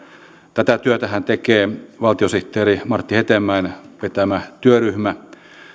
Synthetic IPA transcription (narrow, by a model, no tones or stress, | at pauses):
t̪æt̪æt̪yøt̪æhænt̪ekeːʋɑlt̪iosiht̪ːˑeːrimɑrt̪ːihet̪emːæinʋet̪æmæt̪yøryhmæ